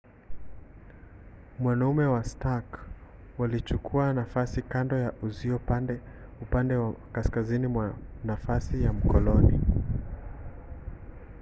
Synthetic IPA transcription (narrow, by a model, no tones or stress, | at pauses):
mwanaumɛwastak | walit͡ʃukʰuanafasikandɔjaʔuziɔpandɛ | upandɛwakaskazinimwanafasijam̩kɔlɔni